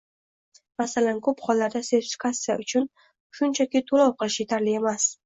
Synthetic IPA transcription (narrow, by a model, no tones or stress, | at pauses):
masalankʰɵpχɒlˠːaɾd̪aseɾt̪ɪ̥fɪ̥kʰatsːija̰ʔʊt͡ʃʰʊn | ʃʊnt͡ʃʰakʲɪt̪ʰolɒwqʰɨlˠɪʃje̞t̪ʰaɾlɪe̞mas